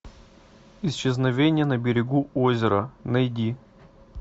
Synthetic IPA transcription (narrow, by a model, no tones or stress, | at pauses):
ɪsɕɪznɐvʲenʲɪjənəbʲɪɾʲɪɡuozʲɪɾənɐjdʲi